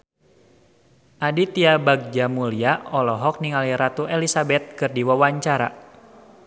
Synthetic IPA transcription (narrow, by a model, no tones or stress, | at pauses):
ʔadit̪iabaɡ̚d͡ʒamuliaɔlɔɦɔk̚niŋaliɾat̪uelisabɛt̪̚kɨrdiwawaɲt͡ʃaɾa̰